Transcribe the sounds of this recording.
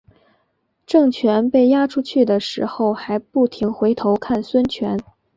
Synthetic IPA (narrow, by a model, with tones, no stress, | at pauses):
ʈ͡ʂɤ˥˩ŋt͡ɕʰɥɛ˧˥npe˥˩ɪja˥ʈ͡ʂʰu˥t͡ɕʰy˥˩d̪ə˩ʂɻ̩˧˥xo˥˧˩ʊxa˧˥ɪpu˥˩t̪ʰi˧˥ŋxwe˧˥ɪt̪ʰo˧˥ʊkʰa˥˩nswə˥nt͡ɕʰɥɛ˧˥n